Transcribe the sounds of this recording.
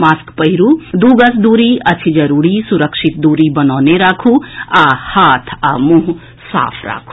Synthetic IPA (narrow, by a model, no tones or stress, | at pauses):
maːskpəɦiɾud̪uːɡəsd̪uːɾiɐt͡ʃʰid͡ʒəɾuːɽisuɾəkʃʰit̪̚d̪uːɾibənaːneɾaːkʰuahaːt̪ʰamũɦ | sa̰ːpʰɾa̰ːkʰu̥